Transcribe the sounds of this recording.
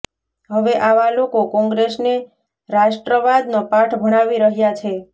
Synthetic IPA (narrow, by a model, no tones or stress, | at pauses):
ɦəʋeʔaʋalokokɔ̃ŋɡɾesne | ɾaʃʈɾəʋad̪nopaʈʰbʱəɽ̃aʋiɾəɦjat͡ʃʰe